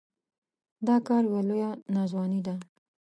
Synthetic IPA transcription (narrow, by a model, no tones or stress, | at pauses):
d̪ɑkɑɾwelojanɑzwɑnid̪a